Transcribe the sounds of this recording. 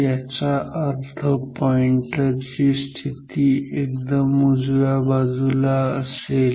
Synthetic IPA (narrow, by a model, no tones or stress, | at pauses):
jat͡ɕaʔəɾt̪ʰəpɔiɳʈat͡ɕiːst̪ʰit̪iek̚d̪əmud͡zʋabad͡zulaəsel